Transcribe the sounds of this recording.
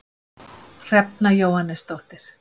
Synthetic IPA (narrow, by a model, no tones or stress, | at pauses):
r̥ɛp̚najowhanːɛst̪owht̪ɪɾ̥